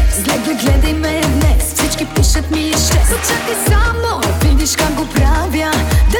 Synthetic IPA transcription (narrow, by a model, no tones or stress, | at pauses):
zɡlɛd̪vɐjɡlɛd̪ɐjmɛd̪nɛsfsit͡ʃkipiʃɐt̪miʃɛut͡ʃat̪isamnovid̪iʃkakɡopɾavʲjɐd̪a